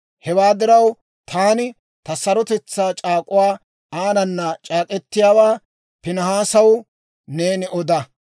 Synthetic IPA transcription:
hɛwaːd̪ɪɾɐw | t̪ʰaːnɪ | t̪ɐsɐɾɔt̪ɛt͡sːaːt͡ʃʼaːkʼʊwaː | aːnɐnːɐt͡ʃʼaːkʼɛt̪ːɪjaːwaː | pɪnɐɦaːsɐw | ne̞ːnɪʔɔd̪ɐ

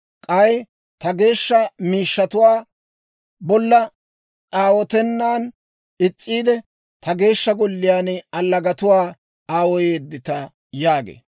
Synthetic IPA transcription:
kʼɐj | t̪ɐɡe̞ːʃːɐmiːʃːɐt̪ʊwaː | bɔlːɐ | t͡sʼaːwɔt̪ɛnːaːn | ɪt͡sʼːiːd̪ɛ | t̪ɐɡe̞ːʃːɐɡɔlːɪjaːnɐlːɐɡɐt̪ʊwaː | aːwɔjeːd̪ːɪt̪ɐ | jaːɡḛː

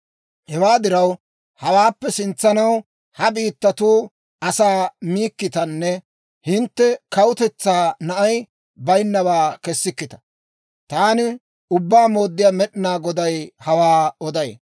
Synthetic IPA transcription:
hɛwaːd̪ɪɾɐw | hɐwaːpːɛsɪnt͡sːɐnɐw | hɐbiːt̪ːɐt̪uː | ɐsaːmiːkːɪt̪ɐnːɛ | hɪnt̪ːɛkɐwʊt̪ɛt͡sːaːnɐʔɐj | bɐjnːɐwaːkɛsːɪkːɪt̪ɐ̥ | t̪aːnɪ | ʊbːaːmo̞ːd̪ːɪjaːmɛɗɪnaːɡɔd̪ɐjhɐwaːɔd̪ɐj̰

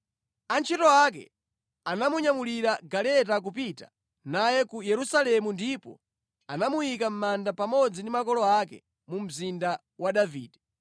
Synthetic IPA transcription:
ant͡ʃʰɛtɔakɛ̰ | anamuɲamuliɾaɡalɛtak̬upitḁ̰ | najɛkujɛɾusalɛmundipɔ̰ | anamujikam̩mandapamɔd͡zindimakɔlɔakɛ̰ | mum̩zinda | waɗaviːdɛ

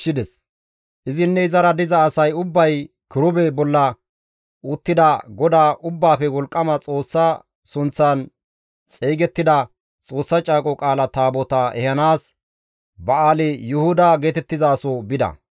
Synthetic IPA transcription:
ʃɪd̪ɛs | ʔɪzɪnːɛɪzɐɾɐd̪ɪzɐːsɐjʊbːɐj | kɪɾʊbɛbɔlːɐ | ʊt̪ːɪd̪ɐɡɔd̪aːʔʊbːaːpɛwɔlkʼːɐmɐt͡sʼo̞ːsːɐ | sʊnt͡sːan | t͡sʼeːɡɛt̪ːɪd̪ɐ | t͡sʼo̞ːsːɐt͡ʃʼaːkʼɔkʼaːlɐt̪aːbɔt̪ɐɛ̰hɐnaːs | bɐaːlɛjʊhʊd̪ɐɡeːt̪ɛt̪ːɪzaːsobɪd̪ɐ̰

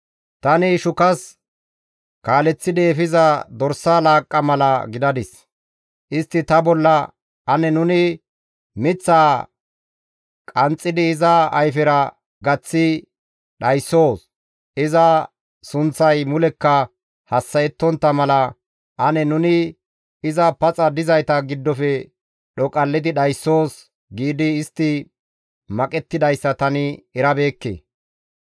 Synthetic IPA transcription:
t̪ɐnɪʃʊkɐs | kaːlɛt͡sːɪd̪eːfɪzɐd̪ɔɾsːalaːkʼːɐmɐlɐɡɪd̪ɐd̪ɪs | ʔɪst̪ːɪt̪ɐbɔlːɐ | ɐnɛnʊnɪ | mɪt͡sːaː | kʼɐnt͡sʼːɪd̪ɪːzɐɐjfɪɾɐ | ɡɐt͡sːɪ | ɗɐjsːo̞ːs | ɪzɐ | sʊnt͡sːɐjmʊlɛkːɐ | hɐsːɐjɛt̪ːɔnt̪ːɐmɐlɐ | ʔɐnɛnʊnɪ | ɪzɐpɐt͡sʼɐd̪ɪzɐjt̪ɐɡɪd̪ːɔfɛ | ɗɔkʼɐlːɪd̪ɪɗɐjsːo̞ːs | ɡiːd̪ɪːst̪ːɪ | mɐkʼɛt̪ːɪd̪ɐjsːɐt̪ɐnɪɛɾɐbe̞ːkːḛː

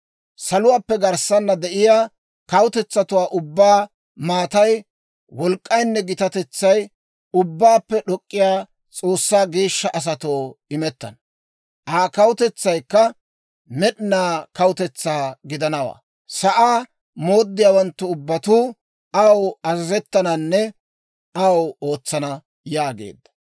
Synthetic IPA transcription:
sɐlʊwaːpːɛɡɐɾsɐnːɐd̪ɛʔɪjaː | kɐwʊt̪ɛt͡sːɐt̪ʊwaːʔʊbːaː | maːt̪ɐj | wɔlkʼːɐjnːɛɡɪt̪ɐt̪ɛt͡sːɐj | ʊbːaːpːɛɗɔkʼːɪjaː | t͡sʼo̞ːsːaːɡe̞ːʃːɐʔɐs̬ɐt̪oːɪmɛt̪ːɐ̰n | ʔaːkɐwʊt̪ɛt͡sːɐjkːɐ | mɛɗɪnaːkɐwʊt̪ɛt͡sːaːɡɪd̪ɐnɐwa̰ː | sɐʔaː | mo̞ːd̪ːɪjaːwɐnt̪ːʊʊbːɐt̪uː | ɐwɐzɐzɛt̪ːɐnɐnːɛ | ʔɐwo̞ːt͡sːɐnɐ | jaːɡḛːd̪ːɐ̥

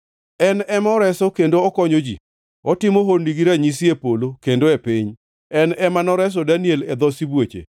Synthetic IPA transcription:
ɛnɛmɔɾɛsɔkendoɔkɔɲod͡ʒḭ | ɔtɪmoɦorniɡiɾaɲis̬iepolokendoepiɲ | ɛnɛmanɔɾɛs̬ɔdanielɛd̪ɔsibwet͡ʃḛ

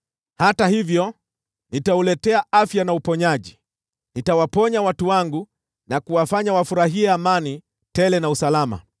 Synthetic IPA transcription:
hatahivjɔ | nitaulɛtɛaafjanaupɔɲaʄi | nitawapɔɲawatuwaŋɡu | nakuwafaɲawafuɾaɦiɛamani | tɛlɛnausalama̰

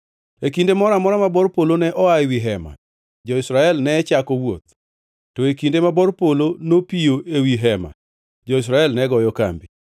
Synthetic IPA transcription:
ekindemɔɾamɔɾamabɔrpolonɛʔɔawiɦɛma̰ | d͡ʒɔɪsɾaɛlnɛt͡ʃakɔwot̪̚ | tɔekindemabɔrpolonopijoʔewiɦɛma̰ | d͡ʒɔis̬ɾaɛlnɛɡɔjɔka̰mbi

